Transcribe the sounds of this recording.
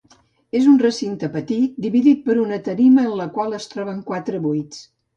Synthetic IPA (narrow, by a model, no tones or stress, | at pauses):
ezunrəsint̪əpət̪it̪̚d̪iβiðit̪̚pəɾunət̪əɾiməːnləkwalˠəst̪ɾɔβəŋkwat̪ɾəβujt͡s